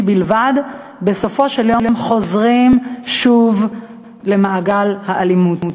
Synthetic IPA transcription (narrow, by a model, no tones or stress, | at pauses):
bilvad | be̞so̞fo̞ʃeljo̞ljomχo̞zʁimʃuv | le̞maːɡalhaʔalimutu